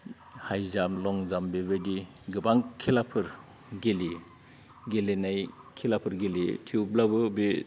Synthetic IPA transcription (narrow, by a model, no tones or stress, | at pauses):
hajzamlɔŋzambeβedi | ɡɯbaŋkʰilapʰɯɾ | ɡeli | ɡelenaj | kʰilapʰɯɾɡelitʰiublabɯbi